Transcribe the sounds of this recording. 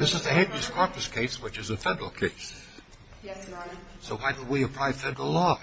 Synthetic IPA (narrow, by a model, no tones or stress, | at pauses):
ðɪsɨzðɨhẽdɹɨz̥kʰɑɹpɨskʰeɪswɨt͡ʃɨzɨfɛdə˞l̩ˠkʰeɪs | soʊwaɪd̚wiɨpʰɹ̥aɪv̥fɛdəɹl̩ˠlɔ